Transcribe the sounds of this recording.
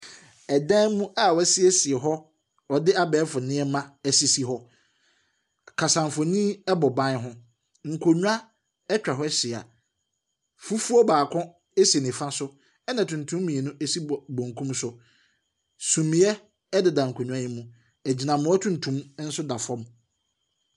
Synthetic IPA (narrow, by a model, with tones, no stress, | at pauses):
ɛ˨dɛ̃˦mũ˦ʔa˨wɛ˦sɪ˦ɛ˦si˨ɛ˨ɦɔ˦ | ɔ˨dɪ˦a˦bɛː˨˦fʊ˨nɪ̃˦ɛ˦mã˦ɛ˦si˦si˦ɦɔ˦ | kʰa˨sã˨m˨fɔ˨nĩ˦ɛ˦bɔ˨bã˦nɦʊ̃˦ | ŋ̩˨kʰo˨ɲu˦a˦ | ɛ˦t͡ɕᶣa˨ɦɔ˦ɛ˦ɕɪ˨a̰˨ | fu˦fu˦ɔ˦baː˨kʰɔ̃˦ | e˦si˨e˨nɪ̃˨fã˦sʊ˦ | ɛ˦nã˨tʰũ˨n̩˨tʰũ˦mː˦mĩ˨e˨nũ˦e˦si˦˨bõ˨ŋ˨kʰũ˦msʊ˨ | sũ˨mĩ˨˦ɛ˦ | ɛ˦dɪ˨da˨ŋ̩˨kʰo˨ɲ̃ᶣ˨˦a˦jɪ˦mũ˦ | æ˨d͡ʑi˨nã˨mʊ̃˦ɔ˦tʰũ˦n̩˨tʰũ˦m˦n̩˦sʊ˦da˨fɔ̃˦m